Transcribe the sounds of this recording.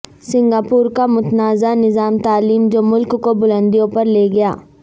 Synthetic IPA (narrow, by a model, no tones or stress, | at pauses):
sɪ̃ŋɡaːpuːɾkamʊt̪naːzanɪzaːmt̪aːliːmd͡ʒoːmʊlkːobʊlə̃nd̪iõpɐɾleːɡɐja̰ː